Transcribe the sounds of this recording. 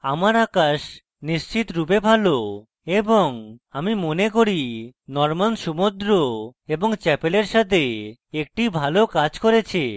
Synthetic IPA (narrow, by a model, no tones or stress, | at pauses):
amaɾakaʃ | nist͡ɕit̪ɾubepalo | eboŋamimonekoɾinɔɾmanʃumod̪ɾoeboŋt͡ɕɛpeleɾʃat̪ʰeek̚ʈibʱalokad͡ʑkoɾet͡ɕʰe